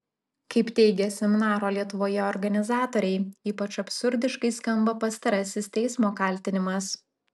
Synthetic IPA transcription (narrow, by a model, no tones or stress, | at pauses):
kɐɪpt̪ʲɛɪɡʲɛsʲɛmʲɪnɑːɾoːlʲiɛt̪ʊʋoːjɛɔːɾɡɐnʲɪzɑːt̪oːɾʲɛɪiːpɐt͡ʃɐpʲsʊɾʲd̪ʲɪʃkɐɪskɐmbɐpɐst̪ɐɾɐsʲɪst̪ʲɛɪsmoːkɐˑlʲt̪ʲɪnʲɪmɐs